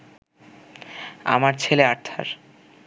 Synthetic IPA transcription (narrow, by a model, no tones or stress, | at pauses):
a̰maɾt͡ɕʰeleaɾt̪ʰːa̰ɾ